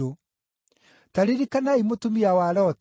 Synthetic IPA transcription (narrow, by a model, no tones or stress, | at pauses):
o | taɾeɾikanaimotomiawaɾɔt